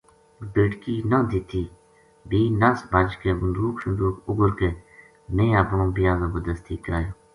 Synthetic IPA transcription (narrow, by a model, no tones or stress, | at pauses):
beːʈkiːnə̃ːd̪iːt̪ʰiː | biːnəsbəd͡ʒkeːbənd̪uːksʊnd̪uːkʊɡəɾkeː | mẽːəpɳõːbɪjaːzə̃ːbəd̪əst̪iːkəɾaːjoː